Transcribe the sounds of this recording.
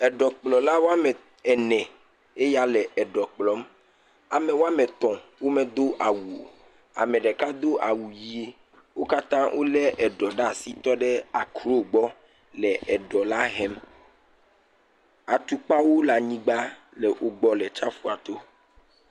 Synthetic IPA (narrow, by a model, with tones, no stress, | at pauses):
ɛ˨ɖɔ˨k͡plɔ˨la˦wo˦a˦mɛ˨ | ɛ˨nɛ̃˨ | e˦ja˦lɛ˨ʔɛ˨ɖɔ˨k͡plɔ˨˦m | a˨mɛ˨wo˦a˦mɛ̃˨t̪ɔ̃˨wo˦me˨d̪o˦ʔa˨wu˨o˨ | a̰˨mɛ˨ɖɛ˨ka˦d̪o˦ʔa˨wu˨ji˦ | wo˦ka˦t̪ã˦wʔo˦lɛ˦ʔɛ˨ɖɔ˨ɖa˦˨si˦t̪ɔ˦ɖɛ˦a˨kɾo˦ɡ͡bɔ˦ | lɛ˨ʔɛ˨ɖɔ˨la˦ɦɛ˦m | a˨t̪u˦k͡pa˦wo˦la˨ɲĩ˦ɡ͡ba˦ | lɛ˨ʔo˨ɡ͡bɔ˨lɛ˨t͡ʃa˦fu˦a˨t̪o˦